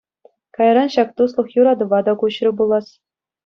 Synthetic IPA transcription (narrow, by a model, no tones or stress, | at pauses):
kɑjrɾɑnɕɑkt̪uslˠɤ̆χjuɾɑd̪ɤ̆ʋɑd̪ɑkuɕrʲɘ̆bulˠːɑs